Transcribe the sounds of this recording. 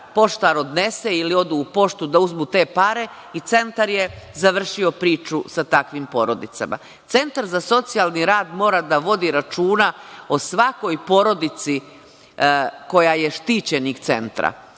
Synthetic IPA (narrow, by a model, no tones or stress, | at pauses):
po̞ʃt̪aɾo̞d̪ne̞seilio̞d̪uːpo̞ʃt̪ud̪auzmut̪e̞ːpaɾe̞ | it̪se̞nt̪aɾje̞zaʋr̩ʃio̞pɾiːt͡ʃusat̪akʋimpo̞̰ɾo̞d̪it̪sa̰ma̰ | t̪se̞nt̪aɾzaso̞t̪sialˠniɾaːd̪mo̞ːɾad̪aʋo̞d̪iɾat͡ʃuːnao̞sʋako̞jpo̞ɾo̞d̪it̪si | ko̞jaje̞ʃt̪iːt͡ɕe̞nikt̪se̞̰nt̪ɾa̰